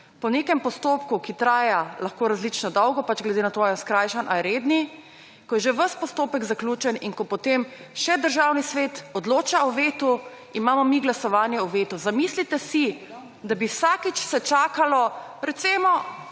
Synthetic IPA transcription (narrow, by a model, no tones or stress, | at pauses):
pɔneːkɛmpɔst̪opkukit̪ɾaːjalaxkoːɾazlit͡ʃnɔd̪ɔwɡɔpat͡ʃɡlɛd̪enat̪ojɔskɾajʃanʔaɾed̪ni | kɔjɛʒeʋəspɔst̪oːpɛkzaklʲuːt͡ʃɛninkɔpɔt̪emʃɛd̪əɾʒawnisʋeːt̪ɔd̪loːt͡ʃaɔʋeːt̪u | imaːmɔmiɡlasɔʋaːnjɛuʋet̪uzamislit̪ɛsi | d̪abiwsakit͡ʃsɛt͡ʃaːkalɔɾɛt̪simɔ